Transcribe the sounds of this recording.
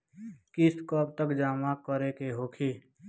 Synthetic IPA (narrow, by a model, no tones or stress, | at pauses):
kɪskɔb̚t̪əkd͡ʒaːmakəɾekeɦoːkʰiː